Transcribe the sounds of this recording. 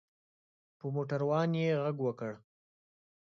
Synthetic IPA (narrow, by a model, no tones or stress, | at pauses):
pəmoʈaɾwɑnjeɣaɡwəkəɽ